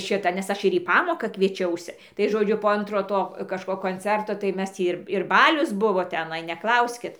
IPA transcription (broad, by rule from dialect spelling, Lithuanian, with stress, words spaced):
ˈʃʲɪtɐ ˈnʲɛs ˈɐʃ ɪr iː ˈpɑːmoːkɐ kʋʲiɛˈt͡ʃʲɛʊsʲɪ tɐɪ ˈʒoːd͡ʒʲʊ poː ˈɐntroː ˈtoː kɐʃˈkoː koːnʲˈt͡sʲɛrtoː tɐɪ ˈmʲɛs ˈtʲiː ɪr ɪr ˈbɑːlʲʊs ˈbʊʋoː tʲɛˈnɐɪ nʲɛˈklˠɐʊsʲkʲɪt